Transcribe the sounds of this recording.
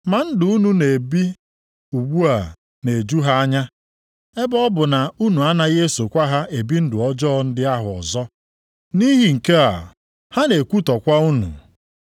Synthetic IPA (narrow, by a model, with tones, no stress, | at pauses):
ma˨n̩˦dʊ˨˦u˦nu˨ne˨bi˦ | u˨ɡ͡bu˦a˨ | ne˨e˨d͡ʒu˦ɦa˦a˦ɲa˦ | e˦bɔ˦bʊ˨na˨u˦nu˨a˦na˦ɣe˦so˨kʷa˦ɦa˦ʔe˨bi˦n̩˦dʊ˨ɔ˦d͡ʒɔː˦˨n̩˦dɪ˦a˦ɦʊ˨ɔ̰˨zɔ˦ | ni˦ɦi˨ŋ̩˨ke˦a˨ | ha˦ne˨kʷu˦tɔ˨kʷa˦u˦nṵ˨